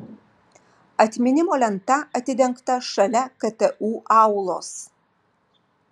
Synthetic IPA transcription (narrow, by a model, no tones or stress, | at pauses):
ɐt̪ʲmʲɪnʲɪmoːlʲɛnt̪ɐʔɐt̪ʲɪd̪ʲɛŋkt̪ɐʃɐlʲɛkɐt̪ɛʔuːʔɑʊlˠo̰ːs